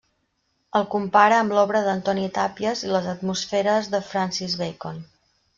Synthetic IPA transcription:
əlˠkumpaɾəːmblɔβɾəðənt̪ɔnit̪apiəziləzət̪musfeɾəzðəfɾansizβekon

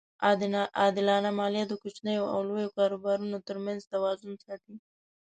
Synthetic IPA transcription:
ɑd̪ɪlɑnamɑlijad̪əkot͡ʃnəjoa̰wlojokɑɾobɑɾunot̪əɾmanzt̪awɑzʊnsɑt̪i

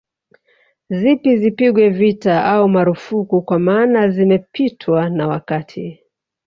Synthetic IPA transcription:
zipizipiɠwɛvitaʔaumaɾufukukwamaːnazimɛpʰitʰwanawakatʰi

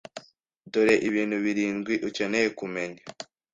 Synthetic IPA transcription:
doɾeʔiβiːn̤huβiɾiːnɡwiʔuce̞nejekume̞ɲa

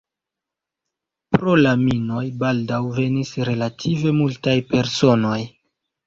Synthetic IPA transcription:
pɾo̞lamino̞jbaldawve̞nisɾe̞latʰive̞multajpe̞ɾso̞no̞j

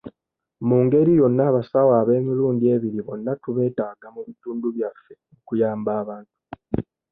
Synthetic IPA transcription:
muːŋɡe̞ɾijo̞nːaːβasawaːβe̞ːmiɾuːndie̞ːβiɾiβo̞nːatuβe̞ːtaːɡamuβituːnduβjafːe̞ | okujaːmbaːβaːntu̥

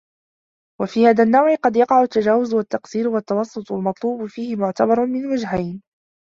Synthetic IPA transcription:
wafiːhaːðanːawʕɪqɑd̪jɑqɑʕʊt̪ːad͡ʒaːwʊzʊwat̪ːɑqsiːɾʊwat̪ːɑwɑsˤːʊt̪ˤalmɑt̪ˤluːbʊfiːhɪmʊʕt̪abɑɾˤmɪnwad͡ʒɦajn

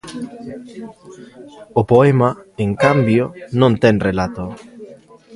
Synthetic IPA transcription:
opoemaeŋkambjonõnt̪ɛŋrelat̪o

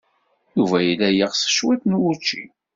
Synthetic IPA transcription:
juvæjilæjiʁsə̥ʃwæt̪nwut͡ʃːḭ

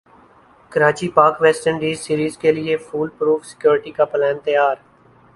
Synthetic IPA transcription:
kəɾaːt͡ʃiːpaːkʋɛːsʈəɳɖiːzsiːɾiːzkelɪefʰuːlpɾuːfʰsɪ̥kjoːɾʈiːkapəlɛːnt̪əjaːɾ

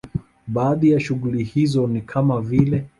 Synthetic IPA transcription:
ɓaːðijaʃuɣulihizɔnikʰamavilɛ

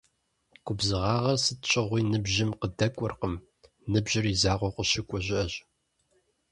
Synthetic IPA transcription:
kʷʼʊbzɨʁɑːʁɐrsɨtt͡ʃʼɪʁʷiːnɨbʑɪmqədɐkʷʼɔrqəm | nɨbʒɪrizaːʁʷɔqʷəʃɪkʷʼʊʑɪʔɐʑ

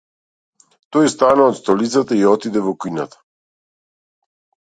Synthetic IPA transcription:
t̪ɔjst̪anaɔt̪st̪ɔlit̪sat̪aiɔt̪id̪ɛvɔkuina̰t̪ḁ

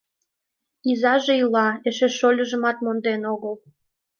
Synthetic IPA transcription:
izɑʒeilɑeʃeʃolʲəʒə̆mɑt̪mond̪enoɣəl

